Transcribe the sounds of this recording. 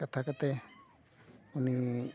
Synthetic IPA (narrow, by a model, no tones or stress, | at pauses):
kat̪ʰakat̪e | unĩ